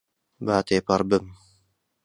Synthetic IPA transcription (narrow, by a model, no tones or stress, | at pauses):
baːt̪eːpɐɾbɨm